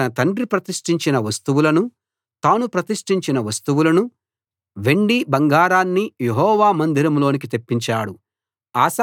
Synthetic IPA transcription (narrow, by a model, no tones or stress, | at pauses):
ɐnɐt̪ɐɳɖɾipɾɐt̪iʂʈiɲt͡ʃinɐʋɐst̪uwulɐnu | t̪aːnupɾɐt̪iʂʈiɲt͡ʃinɐʋɐst̪uʋulɐnu | ʋe̞ɳɖibɐŋɡaːɾaːnːijeɦɔːʋaːmɐnd̪iɾɐmlo̞ːnik̬it̪e̞pːiɲt͡ʃaːɽu | aːs